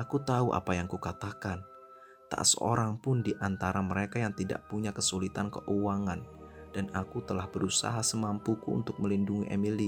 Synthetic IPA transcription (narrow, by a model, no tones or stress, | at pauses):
ʔakut̪auʔa̰pajaŋkukat̪akan | t̪a̰ʔsə̰o̰ɾaŋpʊndiʔant̪aɾaməɾekajaŋt̪ida̰ʔpuɲakəsulit̪ankəʔuwaŋand̥anakut̪əlahbəɾusa̰ɦasəmampukuṵnt̪ʊk̚məlinduŋiʔemili